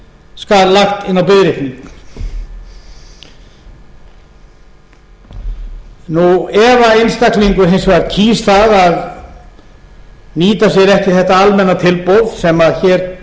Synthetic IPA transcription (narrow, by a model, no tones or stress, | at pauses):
skaðlaxt̪ɪnːawpɪðɾɪhniŋk | nuɛvaejnst̪akliŋkʏɾ̥ɦejnsvaɾt̪cʰiːst̪θaðað | niːt̪as̬jɛɾɛhcɪ̥θɛht̪aalmɛnːat̪ʰɪlpowð̥sɛmaðçɛɾ